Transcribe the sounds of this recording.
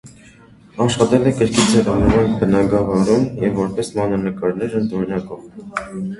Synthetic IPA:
ɑʃχɑt̪ɛlɛkəɾkʰit͡sʰɛɾɑnəɾɑnbənɑɡɑvɑɾumjɛvːɔɾpɛsmɑnɑnəkɑɾnɛɾənt̪ʰɔnɑkɔv

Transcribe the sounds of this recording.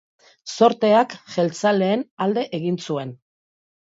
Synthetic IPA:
so̞ɾt̪e̞akʝe̞lt͡saleːnald̪e̞ʔeɣ̞insue̞n

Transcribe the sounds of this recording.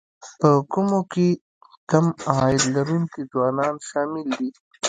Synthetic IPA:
pəkʊmoke | kamɑɪd̪laɾuŋkizwɑːnɑːnʃɑːmɪld̪i

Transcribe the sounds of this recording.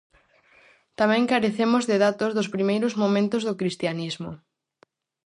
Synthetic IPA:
t̪amɛ̃ŋkaɾeθemʊzðɪðat̪ʊzðʊspɾimejɾʊzmomẽnt̪ʊzðʊkɾist̪janizmʊ

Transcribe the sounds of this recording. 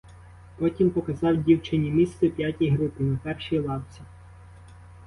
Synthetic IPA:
pɔtʲimpɔkɐzɑwdʲiwt͡ʃɪnʲimʲist̪ɛpʲjatʲijɦɾupɪnɐpɛrʃijlˠɑwt͡sʲi

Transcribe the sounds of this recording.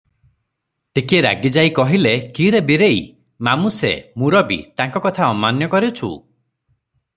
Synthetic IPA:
ʈikeɾa̰ɡid͡ʒaikɔɦilekiɾebiɾei | mamusḛmuɾɔbḭt̪aŋkɔkɔt̪ʰaɔmanjɔkɔɾit͡ʃʰṵ

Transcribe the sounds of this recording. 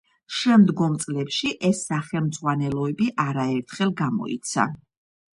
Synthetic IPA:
ʃɛmd̪ɡɔmt̪sʼlɛpʃiʔɛsːaχɛlˠmd̪zʁwanɛlˠɔɛbiʔaɾaɛɾt̪ʰχɛlˠɡamɔ̰ḭt̪sʰa̰

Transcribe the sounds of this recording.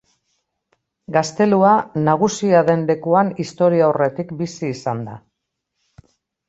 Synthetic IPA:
ɡast̪e̞luanaɣ̞usiaðe̞nle̞kuanist̪o̞ɾiaore̞t̪ikbisiːsand̪a̰

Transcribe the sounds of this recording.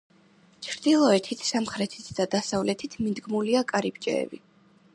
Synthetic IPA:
t͡ʃʰɾd̪̥ilˠɔɛt̪ʰit̪ʰsamχɾɛt̪ʰi̥t̪ʰd̪̥ad̪asavlɛt̪ʰit̪ʰmid̪ɡmuliakʼaɾibd͡ʒʼɛ̰ɛ̰bḭ

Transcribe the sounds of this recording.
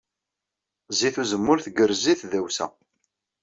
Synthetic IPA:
ziθuzəmːʊɾθɡəɾziθðæwsæ̰

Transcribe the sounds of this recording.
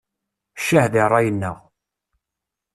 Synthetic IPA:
ʃahðirˤːɑjənːəʁ

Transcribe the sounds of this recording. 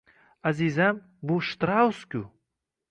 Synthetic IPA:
azizam | buʃt̪ɾawskʲu

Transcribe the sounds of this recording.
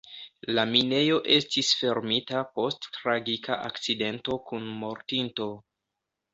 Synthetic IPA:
lamine̞jo̞ʔe̞stisfe̞ɾmitapo̞stːɾaɡika̰ʔakt͡side̞nto̞kunmo̞ɾtinto̞

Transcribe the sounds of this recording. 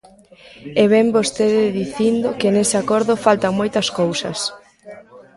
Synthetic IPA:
ɛβ̞ɛmbost̪eðɪðiθind̪okenesɪakɔɾðʊfalt̪aŋmojt̪ɐskowsɐs

